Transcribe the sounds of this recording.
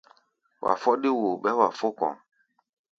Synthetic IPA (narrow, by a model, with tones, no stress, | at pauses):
wʔa̰˨fɔ˦ɗi˦wo˨ɓɛ˦wa˨fo˦kɔ̰̃˨